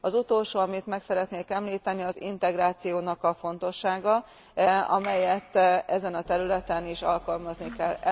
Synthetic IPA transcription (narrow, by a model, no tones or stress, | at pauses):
ɒzut̪o̞lʃoːɒmit̪mɛksɛɾɛt̪neːkɛmliːt̪ɛniɒzḭnt̪ɛɡraːt̪sijoːnɒkɒfo̞nt̪o̞ʃːaːɡɒ | ɒ̰mɛjɛt̪ːɛzɛnɒt̪ɛɾylɛt̪ɛniʃɒ̰lkɒlmɒznikɛlː